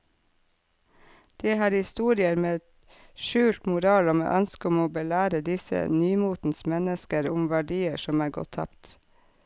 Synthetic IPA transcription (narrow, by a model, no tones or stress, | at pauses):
d̪̥eːhɑːɾhɪst̪uːɾɪəɾmeːɛt̪ | ʃʉːlt̪mʊɾɑːloːmḛːʔœnskəʊmoːbəlæːɾəd̪ɪsə̰nyːmuːt̪n̩smɛnəskəɾʊmʋæɖiːəʃɔmæːɾɡɔ̰t̪ʰːɑ̰pt̪